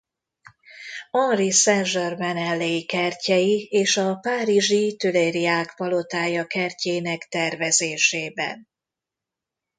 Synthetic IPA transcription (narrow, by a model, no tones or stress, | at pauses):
ɒnrisɛnʒormɛnɛlːejikɛrcɛjieːʃɒpaːɾiʒit̪øleːɾiaːkpɒlo̞t̪aːjɒkɛrceːnɛkt̪ɛrvɛzeːʃeːbɛ̰n